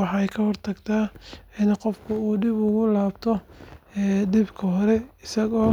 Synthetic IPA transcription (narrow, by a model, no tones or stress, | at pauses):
ɑħɑɛjkʰɐhɔrt̪ʰɐɡt̪ʰaːɪnqɔfkʰʊuːɖɪbʊɣʊlaːbt̪ʰɔɛːɖɪbkʰɐɦɔɾɛɪsɐɣɔː